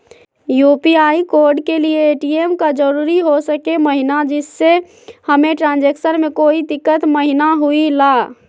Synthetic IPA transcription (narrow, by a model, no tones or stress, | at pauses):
juːpiaikoːɾɖkelieːʈiemkad͡ʒəɾuːɾiɦosəkeməɦinad͡ʒɪsːe | həmeʈɾãːnd͡ʒeksəɾmẽkoːid̪ɪkːət̪məɦinaɦuilaː